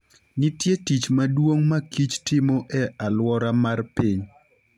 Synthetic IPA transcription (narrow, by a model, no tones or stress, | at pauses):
nitjetit͡ʃmadwoŋmakit͡ʃtɪmoʔɛalwɔɾamarpiɲ